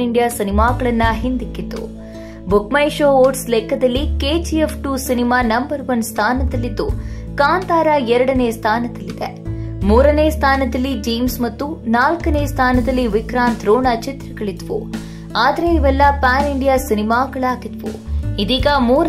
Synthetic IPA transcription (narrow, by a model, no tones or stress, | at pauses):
iɳɖijaːsinimaːɡɐɭɐnːɐɦind̪ikːid̪ːṵ | bukmɐjʃoːʋoːɾʈslɛkːɐd̪ɐlːikeːd͡ʒiepʰʈuːsinimaːnɐmbɐɾʋɐnst̪ʰaːnɐd̪ɐlːid̪ːṵkaːnt̪aːɾɐɛɾɐɽɐneːst̪ʰaːnɐd̪ɐlːid̪e | muːɾɐneːst̪ʰaːnɐd̪ɐlːid͡ʒiːmsmɐt̪ːunaːlkɐneːst̪ʰaːnɐd̪ɐlːiʋikɾaːnt̪ɾoːnɐt͡ʃit̪ɾɐɡɐɭid̪ʋṵ | aːd̪ɐɾeiʋɛlːɐpaːniɳɖijaːsinimaːɡɐɭaːɡid̪ʋṵid̪iːɡɐmuːɾ